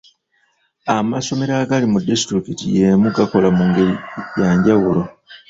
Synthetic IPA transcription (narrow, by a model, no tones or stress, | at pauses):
amaso̞me̞ɾaɡalimudistɾikitije̞muɡakolamuŋɡeijaːɲɟawulo̞